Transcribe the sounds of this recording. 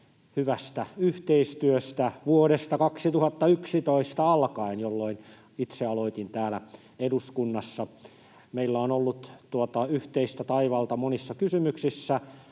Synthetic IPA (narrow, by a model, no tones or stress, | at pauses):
hyʋæst̪æyht̪eist̪yøst̪æʋuoɾest̪ɑkɑksit̪uhɑt̪ːɑyksit̪oist̪ɑɑlkɑinjolːoin | it̪seɑloit̪int̪æːlæ | eduskunːɑsːɑ | meilːæonolːut̪t̪uot̪ɑyht̪eist̪æt̪ɑiʋɑlt̪ɑmonisːɑkysymyksisːæ